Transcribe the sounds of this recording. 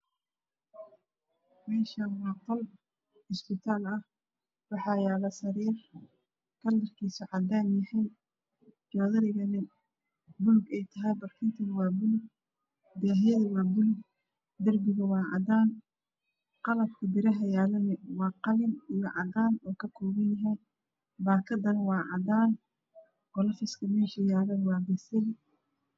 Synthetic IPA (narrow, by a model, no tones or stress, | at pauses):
mɛːʃanwɑːqɔl | ɪsbɪt̪ʰaːlɐh | wɑħɑjaːlɐsɐɾiːr | kʰɐlːɐrkʰiːsɔʕɑd̪aːnjɐhɛj | d͡ʒɔːðɐɾɪɣɐnɪ | bʊlɡɛjt̪ʰɐɦɛjbɐrkʰɪnt̪ʰɐnwɑːbʊlɡ | d̪ɛːɦɛjɐðɐwɑːbʊlɡ | d̪ɐrbɪɣɐwɑːʕɑ̰d̪aːn | qɑlɐb̚kʰɐbɪɾɐɦɐjaːlɐnɛwɑːqɑlɪnijɔʕɑd̪aːnɔːkʰɐkʰɔːɣɐnjɐɦɛj | baːkʰɐd̪ɐnwɑːʕɑd̪aːn | ɡɔlɐfɪskʰɐmɛːʃɐjaːlɐnwɑːbɛsɛl